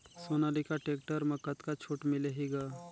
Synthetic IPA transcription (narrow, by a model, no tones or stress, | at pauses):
soːnaːlikaʈeːk̚ʈəɾmɐkːət̪kat͡ʃʰuːʈmɪleɦiɡaː